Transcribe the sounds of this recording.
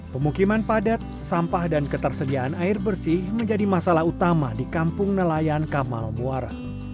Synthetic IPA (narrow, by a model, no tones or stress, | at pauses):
pəmukimanpadat̪̚sampahdankət̪ərsədiaʔanaɪrbərsɪhməɲd͡ʒadimasalahut̪amadikampʊŋnəlajankama̰lbuaɾ